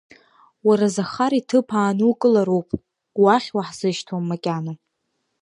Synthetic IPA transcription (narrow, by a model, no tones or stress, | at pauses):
waɾazaχaɾitʰɨpʰaːnukʼɨlaɾowpʼ | waχʲwaħz̥ɨʃtʰamːakʲʼano